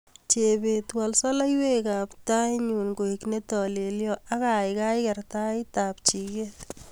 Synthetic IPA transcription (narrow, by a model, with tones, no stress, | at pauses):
t͡ʃe˨be˨twa˨lsɔ˦la˦jwe˦ka˨pta˦jɲu˨nko˨ikne˦tɔ˨le˨ljɔ˦ʔa˦ka˨ɪka˦jkɛ˨rta˦ɪta˨p̚t͡ʃi˨ke˦t